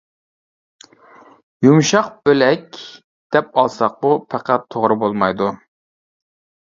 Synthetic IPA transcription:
jumʃɑqb̥ølɛk̚ʲ | d̪̥ɛp̚ɑlˠsɑq̚upʰæqʰæt̪ʰːoʁɾɨbolˠmɑjd̪u

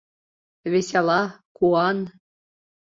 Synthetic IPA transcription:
vʲesʲɑlˠɑkuɑn

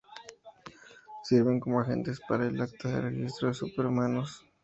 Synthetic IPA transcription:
siɾβeŋkomoaxḛnt̪espaɾaelak̚t̪aðerexist̪ɾoðesupeɾumanos

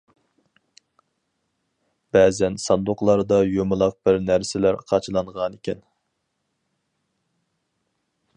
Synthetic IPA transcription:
b̥ɛːzɛnsɑnd̪oqlˠɑɾd̪ɑjomɨlˠɑq̚bɪɾnæɾsɪlæɾqʰɑt͡ʃʰɨlˠɑɴʁɑnɪkʲɛn

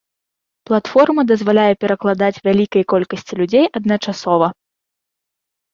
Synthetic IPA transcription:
plˠat̪fɔrmɐd̪ɐzvalʲajɛpʲɛɾɐklˠad̪at͡sʲvʲalʲikɐjɐkɔlʲkɐsʲt͡sʲilʲud͡zʲejʔɐd̪̚nɐt͡ʂasɔvɐ

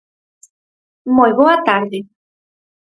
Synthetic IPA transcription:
mojβoat̪aɾðe

